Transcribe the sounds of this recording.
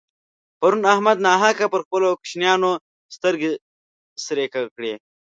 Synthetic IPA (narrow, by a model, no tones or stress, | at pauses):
pɐɾunahmad̪nɑːɦakapəɾxpəlokʃnjɑːno | st̪əɾɡe | sɾekakɽe